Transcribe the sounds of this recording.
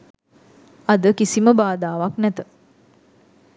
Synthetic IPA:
ad̪əkisiməbaːd̪aːʋaknɛt̪ə

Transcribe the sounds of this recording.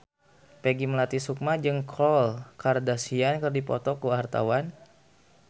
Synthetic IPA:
peɡiməlat̪isuk̚mad͡ʒɨŋkʰɔlkardasiankərdipɔ̰t̪ɔkuart̪a̰wan

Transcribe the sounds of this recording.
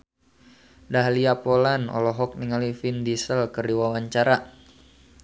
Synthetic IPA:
daɦliapolanɔ̰lɔɦɔk̚niŋalifindisəlkərdiwawaɲt͡ʃaɾa

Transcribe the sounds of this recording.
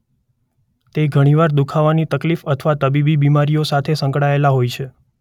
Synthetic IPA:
t̪eɡʱəɽ̃iʋaɾd̪ukʰaʋanit̪əklifət̪ʰəʋat̪əbibibimaɾijosat̪ʰesə̃ŋkɽaelaɦojt͡ʃʰe

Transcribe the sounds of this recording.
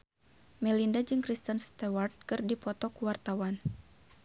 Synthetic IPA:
mɛlindad͡ʒɨŋkɾist̪ənst̪ɛwart̪̚kɨrdipɔt̪ɔkuwart̪awan

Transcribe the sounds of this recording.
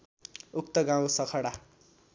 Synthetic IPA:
uk̚t̪ʌɡãw̃sʌkʰʌɽa

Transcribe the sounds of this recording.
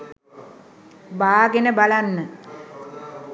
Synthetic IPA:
baːɡenəbalanːə

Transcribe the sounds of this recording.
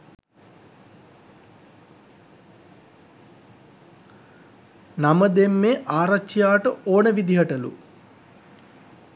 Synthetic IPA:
naməd̪emːeːʔaːɾɐkt͡ʃijaːʈəʔoːnəʋid̪iɦɐʈɐlṵ

